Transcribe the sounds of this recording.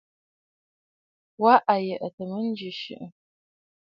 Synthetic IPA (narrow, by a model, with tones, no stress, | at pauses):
wa˦ʔa˨jɛ˨ʔɐ˨tʰɐmɨnd͡ʒɪʃɪ̰˦ʔə